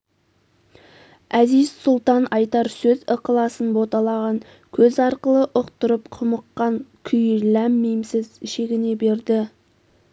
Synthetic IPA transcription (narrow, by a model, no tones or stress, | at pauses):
æzɪz̥sʊlˠt̪ɑnɑjt̪ɑɾsɵzəqəlˠɑsənbo̞t̪ɑlˠɑʁɑŋ | kʲʰɵzɑɾqəlˠəʔʊqt̪ʊɾəpqʰʊməqːɑŋkʲʰʏjlæmːejmsɪzɪʃeɡʲɪne̞be̞ɾd̪ɪ